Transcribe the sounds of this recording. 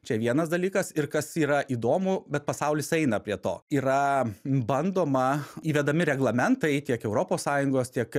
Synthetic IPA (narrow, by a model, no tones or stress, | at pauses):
t͡ʃʲɛʋʲiɛnɐsd̪ɐlʲiːkɐsɪɾkɐsiːɾɐʔiːd̪oːmʊbʲɛt̪̚pɐsɑʊlʲɪsɛɪnɐpʲɾʲiɛt̪o̰ːiːɾɐbɐnd̪oːmɐiːʋʲɛd̪ɐmʲɪɾʲɛɡlˠɐmʲɛnt̪ɐɪt̪ʲiɛkɛʊɾoːpoːssɑːjʊŋɡoːst̪ʲiɛk